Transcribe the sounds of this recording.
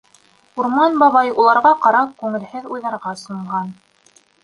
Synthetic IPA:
uɾmɑnbɑβɑjulˠɑɾʁɑqɑɾɑp̚kʉŋɘ̆lhɘðujðˠɑɾʁɑsŏɴʁɑn

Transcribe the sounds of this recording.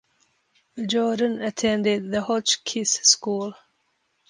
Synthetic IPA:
ðəd͡ʒɔːdə̃nətʰɛ̃ndɪd̪̚ðəhɔt͡ʃkʰɪsskulˠ

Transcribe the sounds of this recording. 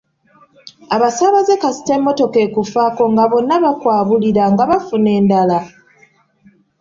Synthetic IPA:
aβasaːβaze̞kasi̥te̞mːo̞to̞ke̞ːkufako̞ŋɡaβo̞nːaβakwaːβuliɾaŋɡaβafune̞ːndala

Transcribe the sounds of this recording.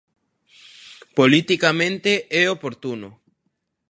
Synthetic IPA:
polit̪ikamẽnt̪eɛopoɾt̪uno

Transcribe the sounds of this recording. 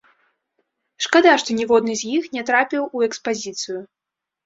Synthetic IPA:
ʂkad̪aʂt̪ɔnʲɛvɔd̪nɨzʲjixnʲɛt̪ɾapʲiwuɛkspazʲit̪sɨju

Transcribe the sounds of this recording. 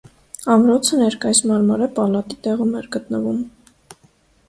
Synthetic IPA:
ɑmɾɔt͡sʰənɛɾkɑjismɑɾmɑɾɛpɑlɑt̪it̪ɛʁumɛɾɡət̪nəvum

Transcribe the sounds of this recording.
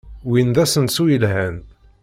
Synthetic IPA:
wind̪æsənsujəlhæn

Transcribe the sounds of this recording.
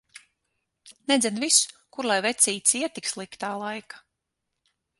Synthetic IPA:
nɛd̪zʲɛnvisu̥kuɾlˠajvɛt̪sʲiːt̪siɛt̪ikslˠikt̪aːlˠajkḁ

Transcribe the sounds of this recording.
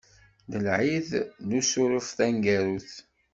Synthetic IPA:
ðəlʕiðnusʊɾəfθæŋɡæɾuθ

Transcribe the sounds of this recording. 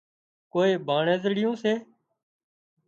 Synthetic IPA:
koːeːbʱaːɳẽːzɽɪjõːseː

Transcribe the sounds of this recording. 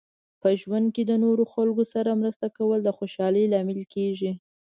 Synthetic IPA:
pəʒwand̪̚ked̪ənoɾoxalɡosaɾamɾəst̪akawəld̪əxoʃɑləjlɑmɪlkeʒi

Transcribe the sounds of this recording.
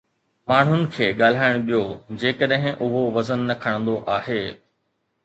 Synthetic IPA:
maːɳ̤ɦʊnɪ̆kʰeːɠaːl̤aːɪɽ̃ɓijod͡ʑeːkəɗɦɪ̃ʔʊɦoʋɐzənːɐkʰɐɽ̃nd̪oʔaːɦeː

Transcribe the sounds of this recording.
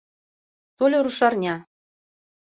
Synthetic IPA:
t̪olʲŏɾuʃɑrnʲɑ

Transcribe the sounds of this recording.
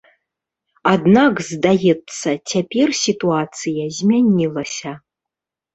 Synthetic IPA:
ad̪nakzd̪ajɛt̪sːɐtʲʰapʲɛrsʲit̪uat̪sɨjɐzʲmʲanʲilˠɐsʲɐ

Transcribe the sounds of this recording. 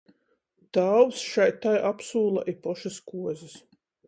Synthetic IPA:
t̪awwsʃajt̪ajʔapsuːlˠa̰ʔipɔʃaskuɔzʲis

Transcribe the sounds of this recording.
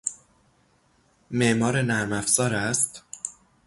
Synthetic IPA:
meʔmɒːɾe̞næɾmæfz̥ɒːɾæst̪

